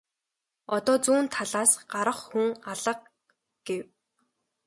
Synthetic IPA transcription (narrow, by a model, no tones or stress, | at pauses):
ɔt̪ɔːt͡suːnt̪ʰaɮaːsɢaɾə̆χxuŋaɮə̆q̚ | ɡ̥ew